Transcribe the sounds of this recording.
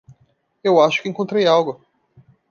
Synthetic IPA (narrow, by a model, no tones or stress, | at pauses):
ewaʃʊ̥kɪẽŋkõnt̪ɾejawɡʊ